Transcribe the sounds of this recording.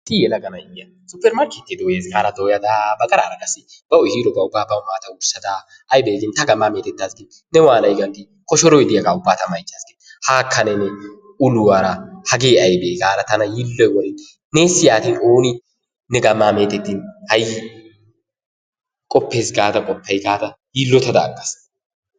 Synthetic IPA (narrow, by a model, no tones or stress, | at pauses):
t̪ɪjɛlɐɡɐnɐɪjɐ | sʊpːɛɾmaɾkɪt̪ːɪd̪oːjeːsɡaːɾɐd̪oːjɐd̪aːbɐkʼɐɾaːɾɐɡʼɐsːɪ | b̥ɐɔhiːɾɔbɐʊbːaːbɐmaːt̪ɐʊsːɐd̪aː | ɐjbeːɡɪnt̪ɐɡɐmːaːme̞ːt̪ɛt̪ːaːsɡɪn | nɛwaːnɐjɡɐnɡɪ | kɔʃɔɾɔjd̪ɪjɐɡaːʊbːaːt̪ɐmɐjt͡ʃːaːskeːt̪ːhaːkʰːɐnɛnɛ | ʊlʊwaːɾɐhɐɡeːɐjbeːɡaːɾɐt̪ɐnɐjilːɔjwɔlɪn | neːsɪjaːt̪iːnoːnɪ | nɛɡɐmːaːme̞ːt̪ɛt̪ːinhɐjɪ | kʼɔpːe̞ːsɡaːt̪ɐkʼɔpːɐjɡaːt̪ɐ | jilːɔt̪ːɐd̪a̰ːɡːɐs